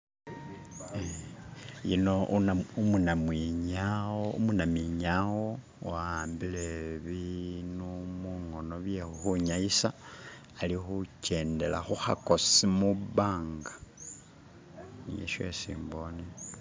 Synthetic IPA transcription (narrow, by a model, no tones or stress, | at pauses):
jḭno̞naumunamwiɲawoṵmunamiɲawo | aːmbileβinumuŋo̞no̞βjexuxuɲajisaː | lixuce̞ːnde̞la̰xuhako̞simuβaːŋɡa | n̰ḛʃwḛsḭːmbo̞ni